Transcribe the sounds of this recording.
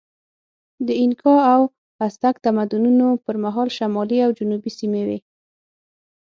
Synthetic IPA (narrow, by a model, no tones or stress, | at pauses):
d̪əɪnkʰɑaw | hast̪akt̪amad̪ununopəɾmaɦɑlʃamɑliawd͡ʒʊnubisimewḛ